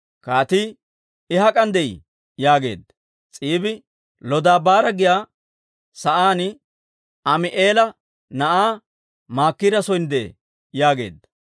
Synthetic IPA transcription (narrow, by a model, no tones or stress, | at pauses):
kaːt̪i | ɪhɐkʼɐnd̪ɛj | jaːɡe̞̰ːd̪ɐ | t͡sʼiːbɪ | lɔd̪aːbaːɾɐɡɪjaː | sɐʔaːnɪ | ɐmɪʔeːlɐ | nɐʔaː | maːkːɪɾɐsɔjnd̪eː | jaːɡe̞̰ːd̪ɐ